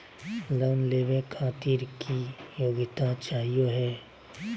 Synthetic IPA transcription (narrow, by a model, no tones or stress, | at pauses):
lɔːnleːʋẽkʰaːt̪iːɾkijoːɡɪt̪at͡ʃaːɦijoɦɛː